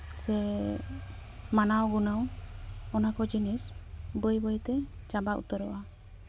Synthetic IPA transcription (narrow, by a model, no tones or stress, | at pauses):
sɛ | manawɡunəwɔnakɔd͡ʒinisbəjbəjt̪ɛt͡ʃabaʔṵt̪ɔɾɔʔa